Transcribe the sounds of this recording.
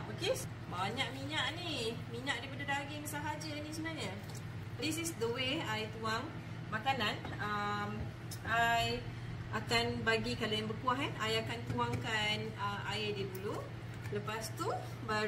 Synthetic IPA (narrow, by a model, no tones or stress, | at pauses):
oke | baɲaʔmiɲaʔnimiɲãʔdipadadaɡɪŋsaɦad͡ʒanĩsəbənahɲa | ɾisisd̪owehajt̪uaŋ | makanan | əm | ʔaj | ʔakanbaɡikalojaŋbərkuaɦɛnajakant̪uaŋkanəaedidulu | ləpast̪u | ba